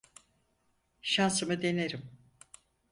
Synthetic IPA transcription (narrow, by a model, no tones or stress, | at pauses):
ʃansɯmɯd̪e̞neɾim